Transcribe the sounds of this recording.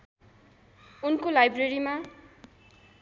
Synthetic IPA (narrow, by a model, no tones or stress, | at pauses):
unkolajbreɾima